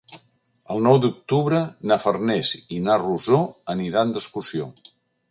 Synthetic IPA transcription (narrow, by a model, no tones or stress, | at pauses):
əlˠnɔwd̪uk̚t̪uβɾənafərnɛzinaruzoəniɾand̪əskusio